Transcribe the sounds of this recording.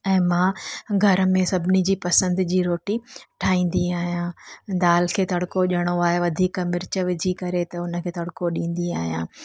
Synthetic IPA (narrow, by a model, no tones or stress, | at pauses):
ɛ̃ːmãːɡʱɐɾə̆mẽsɐbʱɪnid͡ʑiːpɐsə̃nd̪d͡ʑiːɾoːʈiʈʰaːĩːnd̪iaːɦijãd̪aːlkʰeːt̪ɐɽkoʄəɽ̃oaːɦeʋɐd̪ʱiːkmɪɾt͡ɕə̆ʋɪd͡ʑʱikɐɾet̪ɐʊnəkʰeːt̪ɐɽkoɗĩːn̆d̪iaːɦijãː